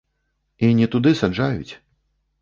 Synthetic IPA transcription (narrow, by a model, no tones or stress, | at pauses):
inʲɛt̪ud̪ɨsad͡ʐajṵt͡sʲ